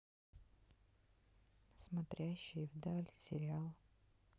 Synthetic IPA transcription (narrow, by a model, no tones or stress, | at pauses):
smɐt̪ɾʲæɕːɪjvd̪alʲsʲɪɾʲɪalˠ